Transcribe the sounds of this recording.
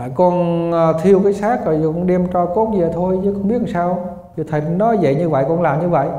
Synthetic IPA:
a̰ː˧˨jkɔ˧nː˨t̪ʰi˧əwkaː˨˦jsaː˦˥k̚ːə˨˩jkɔ˧˩ŋ͡mɗɛ˧əmt͡ɕɔ˧ko˦˥t̚zi˨ə˨˩t̪ʰo˧jzəː˨˦kʊ˧ŋ͡mɓi˦˥əhsaː˧w | zə˨˩t̪ʰə˨˩jnɔ˨˦zə̰˧˨jɲɨ˧və̰˧˨jkɔ˧nlaː˨˩mɲɨ˧və̰˧˨j

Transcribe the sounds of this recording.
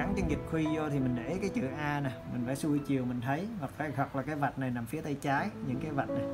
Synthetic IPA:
a˨˦ŋt͡ɕə˧ŋi˨˩p̚xwi˧zo˧t̪ʰi˨˩mï˨˩ŋ̟ɗḛ˧˩˨kaː˨˦jt͡ɕɨ˧˨˩ʔaː˧na˨˩mï̟˨˩faː˧˩su˧i˧t͡ɕi˨˩əwmï˨˩ŋ̟t̪ʰə˨˦jhɔ˨˩k̚kaː˨˧˩ɔ˨˩t̚laː˨˩kaː˨˦jva˨˩t̚na˨˩jnaː˨˩mfi˨˦ət̪a˧jt͡ɕaː˨˦jɲɨ̰˧˥ŋkaː˨˦jva˨˩t̚na˨˩

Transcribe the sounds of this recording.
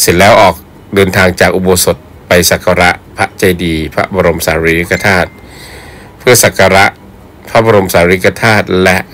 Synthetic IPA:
si˨˩˦nlɛː˦˥wʔɔː˨˩k̚ | dɤː˧nt̪ʰaː˧ŋt͡ɕaː˨˩k̚ʔu˧boː˧so˨˩t̪̚ | pa˧jsa˨˩kʰa˧ɾa˦˥ʔpʰa˦˥ʔt͡ɕa˧jdiː˧pʰa˦˥ba˧ɾo˧msaː˩˦ɾi˦ji˦˥ka˧t̪ʰaː˥˩t̪̚ | pʰɯ˥˩ɐsa˨˩ka˧ɾa˦˥ʔ | pʰa˦˥baː˧ɾo˧msaː˨˦ɾi˦˥ka˧t̪ʰaː˥˩t̪̚lɛ˦˥ʔ

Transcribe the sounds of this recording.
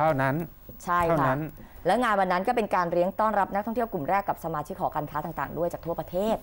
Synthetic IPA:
a˥˩na˦˥n | t͡ɕʰa˥˩jka˥a˥a˦˥nlɛː˦˥wŋaː˧nwa˧nːa˦˥nkɔː˥˩pe˧nkaː˧nɾi˦˥əŋt̪ɔː˥˩nɾa˦˥p̚na˦˥kt̪ʰɔ˥˩ŋt̪i˥˩wklu˨˩mɾɛː˥˩kːa˨˩p̚sa˧maː˧t͡ɕʰi˦˥kʰːɔː˩˦kaː˧nkʰa˦t̪aː˨˧˩t̪a̰ː˨˩ŋdu˥˩jt͡ɕaː˨˩kt̪ʰu˥˩ɐpɾa˧t̪ʰeː˥˩t̪̚

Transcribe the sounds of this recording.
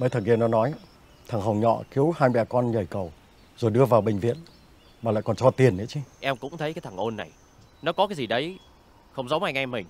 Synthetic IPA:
mə˨˦t̪ʰə˨˩ki˧nɔ˨˦nɔ˨˦j | t̪ʰa˨˩ŋɦə˨˩wŋ͡mɲɔ̰˧˨ki˨˦əwhaː˧jɓɛ˨˩kɔ˧nzəː˨˩jkə˨˩w | zo˨˩jɗɨ˧əvaː˨˩wɓï˨˩ŋ̟vḭ˧˨ən | maː˨˩la̰ː˧˨jkɔ˨˩nt͡ɕɔ˧t̪i˨˩ənḭ˧˥˦t͡ɕi˧ʔɛ˧mkʊ̰˧˥ŋ͡mt̪ʰə˨˦jkːaː˨˦jt̪ʰa˨˩ŋʔo˧nːa˨˩j | nɔ˨˦kɔ˨˦kaː˨˦jzi˨˩ɗə˨˦j | xə˧wŋ͡mzə˨˦wʔaː˧jŋa˧mï˨˩ŋ̟

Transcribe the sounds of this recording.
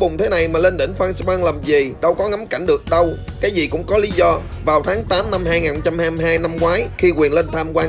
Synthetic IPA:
ɓʊ˨˩ŋ͡mt̪ʰe˨˦na˨˩jmaː˨˩le˧nt̪ï˧˩ŋ̟fwaː˧nsɓwaː˧ŋlə˨˩mzi˨˩ɗə˧wkɔ˨˦ŋa˨˦mka˧˩jŋ̟ɗɨ˨˩ək̚ɗə˧wkaː˨˦jzi˨˩kʊ̰˧˥ŋ͡mkɔ˨˦li˨˦zɔ˧ | vaː˨˩wt̪ʰaː˨˦ŋt̪aː˨˦mna˧mhaː˧jŋaː˨˩nxo˧˦ŋ͡mt͡ɕa˧mhaː˧mɦaː˧jna˧mkwaː˨˦jxi˧kwi˨˩ənle˧nt̪ʰaː˧mkwaː˧

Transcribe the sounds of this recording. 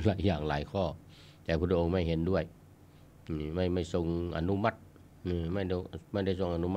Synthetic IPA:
laː˨˦jːaː˨˩ŋlaː˨˦jkʰɔː˧˩ | t̪ɛː˨˩pʰu˧˥t̪ʰːʔo˧˦ŋma˥˩jɦe˨˦ndu˥˩əj | ma˥˩jma˥˩jso˧ŋʔa̰˧nu˧˥ma˧˩t̪̚ | nɯː˧˩ma˥˩jma˧˥˩jda˥˩˨jso˧ŋʔa˧˨nu˧˥m˧

